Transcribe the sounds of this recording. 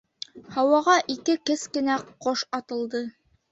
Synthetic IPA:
hɑwɑʁɑʔikɘkɘskɘ̆næqoʃɑt̪ɤ̆lˠd̪ɤ

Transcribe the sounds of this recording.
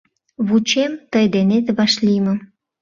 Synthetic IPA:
βut͡ɕemt̪əjd̪enet̪βɑʃlimə̆

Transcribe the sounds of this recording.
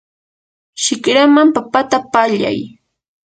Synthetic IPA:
ʃɪkɾamampapat̪apaʎa̰j

